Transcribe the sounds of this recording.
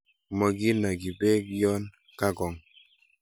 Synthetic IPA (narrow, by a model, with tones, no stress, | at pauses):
mɔ˨ɡi˦na˨ɡi˨be˦kjɔ˦n | ka˦ɡɔ˨ŋ